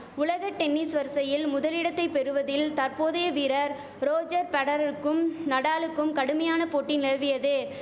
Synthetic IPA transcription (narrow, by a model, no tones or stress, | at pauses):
ʊlɐɣɐʈɛnːisʋɐɾsɐjɪlmʊðɐlɪɽɐt̪ːɐɪpːɛɾɯʋɐðɪlt̪ɐɾpoːðɐjɐʋiːɾɐɾ | ɾoːd͡ʒɐɾpɐɽɐɾɐɯkːɯmnɐɽaːlɯkːɯmkɐɽɯmɐjaːnɐpoːʈːinɪlɐʋɪjɐðɯ